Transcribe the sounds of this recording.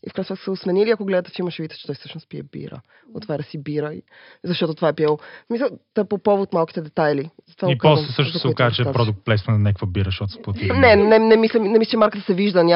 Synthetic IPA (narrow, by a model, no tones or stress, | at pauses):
ḭfkɾajsɛt̪k̪səsɛosmɛniliɐkoɡlɛd̪ət̪ɛ̥fimɐʃɛvit̪ə̥t͡ʃɛt̪ɔjsɤʃnʊspiɛ̰bḭɾə̰ | o̰t̪ːvaɾʲd̪əsibiɾəḭ | zɐʃt̪ɔt̪ot̪ovaɛpiɛlˠosmisəlˠt̪apopɔvot̪malˠki̥t̪ɛd̪ɛt̪ajlizɐt̪ovaikpɔslɛsɤʃnoɔskazət͡ʃɛpɾɔd̪ʊk̚t̪̚plɛjsmɛnnɛkvobiɾəʃɔt̪spot̪inɛnɛnɛmislʲɛnɛmisʲlɛt͡ʃɛmaɾkət̪ə̥sɛviʒd̪ənʲa